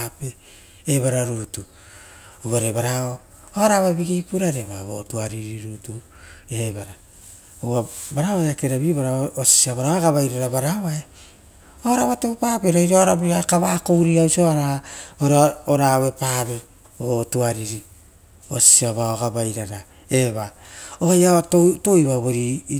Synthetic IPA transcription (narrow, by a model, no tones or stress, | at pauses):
ape | eβaɾaɾutu | uaɾebaɾao | oaɾaβaebiɡiːpuɾaɾe̞βaβotuaɾiɾiɾutu | ebaɾa | owabaɾaβaeakeɾaβibaɾaosi̥siaβaɾaoaɡaβajɾaɾabaɾaβae | oɾaβatopaːpeɾaiɾaɾabiakaβaːkowɾiawsioaɾaoɾaoɾawe̞paːβe | otuaɾiɾi | osi̥siaβaoɡabajɾaɾa | e̞βaojatotoiβaβoɾi